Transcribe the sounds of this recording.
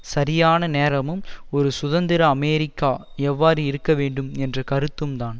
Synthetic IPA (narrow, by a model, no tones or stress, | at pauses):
sɐɾɪjaːnɐneːɾɐmɯmɔɾɯsʊðɐnd̪ɪɾɐːmeːɾɪkːaː | ɛʋːaːɾɯɪɾɯkːɐʋeːɳɖɯmɛndrɐkɐɾɯt̪ːɯmt̪aːn